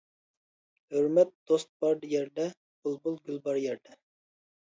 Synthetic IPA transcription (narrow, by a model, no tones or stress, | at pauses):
høɾmɛt̪̚d̪̥ost̪̚b̥ɑɾd̪jɛɾd̪ɛ | b̥ulˠbulˠɡʲylˠbɑɾjɛɾd̪ɛ